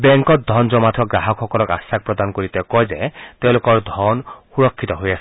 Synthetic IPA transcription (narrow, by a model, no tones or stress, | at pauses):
beŋkɔt̪̚d̪ʱɔnd͡ʒɔmat̪ʰɔɡɾaɦɔkʰɔkɔlɔka̰sak̚pɾɔd̪ankɔɾit̪ekɔjzet̪ew̃lokɔɹd̪ʱɔnhuɾɔkʰːit̪ɔɦojasʰɔ